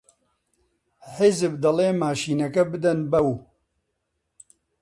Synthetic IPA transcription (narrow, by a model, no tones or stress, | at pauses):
ħɪzɨbd̪ɐleːmaːʃiːnɐkɐbɨd̪ɐnbɐw